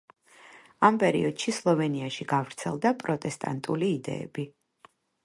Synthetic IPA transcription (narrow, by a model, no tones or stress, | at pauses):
ampʼɛɾḭɔd̪̥ʃislˠɔvɛniaʃiɡavɾt̪sʰɛ̰lˠd̪apʼɾɔt̪ʼɛst̪ʼa̰nt̪ʼuliːd̪ɛ̰ːbi